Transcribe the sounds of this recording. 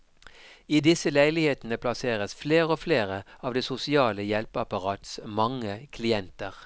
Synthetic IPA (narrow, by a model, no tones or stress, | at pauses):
iːd̪ɪsəlæɪlɪheːt̪n̩əpʰlɑseːʁəsfleːʁəoːfleːʁəɑːʋd̪eːsʊsɪɑːləjɛlpəɑpɑʁɑːt̪smɑŋəkʰlɪɛnt̪əʁ